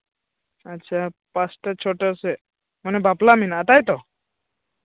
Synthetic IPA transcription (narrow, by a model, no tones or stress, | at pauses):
ətːt͡ʃʰapasʈət͡ʃʰoʈəse | mənebʱaplaminat̪ajt̪ɔ